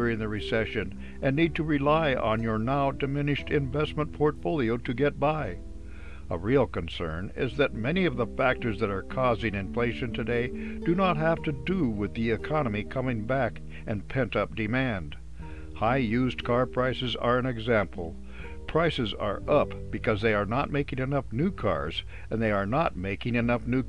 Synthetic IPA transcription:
ʊɹɪ̃ŋðɨɹɨsɛʃɨ̃n | ɨ̃nːid̚tʰɨɹilaɪʔə̃njə˞naʊdɨmɪ̃nɨʃtɪ̃ɱvɛsmə̃npʰɔɹtfoʊlˠioʊɾɨɡɛt̚b̥aɪ | ə̰ɹilˠkɨ̃nsɜ̰̃˞nɪ̰zðɨt̚mɛniʌvðəfæk̚tə˞zðɨɾə˞kʰɔzɪ̃ŋɨ̃ɱfleɪʃɨ̃ntʰɨdeɪd̥ɨnət̚ɦæftɨdəwɪðiɨkʰɑnəmikʰʌmɪ̃ŋbæk | ɨ̃npʰɛ̃ntʌp̚d̥ɨmæ̃nd̥ | haɪjʉzkʰɑɹpʰɹ̥aɪsɨzə̰˞ɨ̃nɨɡzæ̃mpʰl̩ˠ | pʰɹ̥aɪsɨzə̰˞ʔʌpb̥ɨkʰʌzðeɪə˞nət̚meɪkɪ̃ŋɨnʌfnʉkʰɑ̰ɹz̥ | ɨ̃nðeɪə˞nət̚meɪkɪ̃ŋɨnʌfnʉ

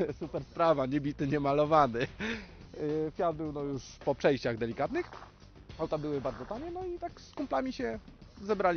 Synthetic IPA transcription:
supɛɾspɾavaɲɛbʲit̪ɘɲɛmalɔvanɘ | fʲjad̪̚bɘwnɔjuʂpɔpʂɛjɕt͡ɕaɣd̪ɛlʲikat̪nɘx | awt̪abɘwɘbaɾd̪zɔt̪aɲɛnɔit̪akskumplamʲiɕɛzɛbɾalʲ

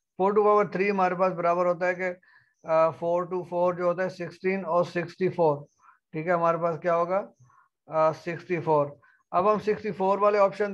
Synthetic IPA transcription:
pʰoːɾʈ̬uːpaːbəɾt̪ʰɾiːɦəmaːɾepaːsbəɾaːbəɾɦoːt̪̬aɦɛke | pʰoːɾʈuːfʰoːɾd͡ʒoːɦoːt̪̬aɦɛsɪksʈiːnɔːɾsɪksʈiːpʰoːɾ | ʈʰiːkɛːɦəmaːɾepaːskjaːɦoːɡaː | sɪksʈiːfʰoːɾ | əbɦəmsɪksʈiːpʰoːɾʋaːleɔːpʃən

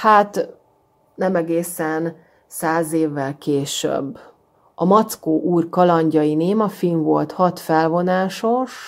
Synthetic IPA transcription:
haːt̪ | nɛmɛɡeːsɛn | saːzeːvːɛlkeːʃø̰bː | ɒmɒt̪skoːʔuːrkɒlɒɲɟɒjineːmɒfiɱvo̞̰lt̪hɒt̪fɛlvo̞naːʃo̞ʃ

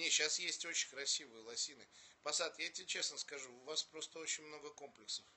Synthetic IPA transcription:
nʲeɕasjesʲtʲo̞t͡ɕɪnʲkɾɐsʲivɨjəlˠɐsʲinɨpɐsat̪jatʲɪt͡ɕe̞snəskɐʐuʊvaspɾo̞st̪əo̞t͡ɕɪnʲmno̞ɡəko̞mplʲɪksəf

